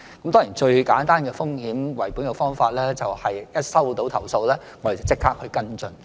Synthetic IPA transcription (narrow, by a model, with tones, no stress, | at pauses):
kkɐ˦mt̪ɔː˥ŋji˨˩nt͡ʃɵ˧ɥkaː˨˥nt̪aː˥nkɛː˧fʊ˥ŋhiː˨˥mwɐ˨˩jpu˨˥njɐ˧wfɔː˥ŋfaː˧t̚lɛː˥t͡sɐ˨whɐ˨jjɐ˥t̚sɐ˥wt̪o˨˥wt̪ʰɐ˨˩wso˧wlɛː˥ | ŋɔː˨˧˥de˨t͡sɐ˨˩wt͡sɪ˥kʰːaː˥k̚hɵ˧ɥkɐ˥nt͡sɵ˨n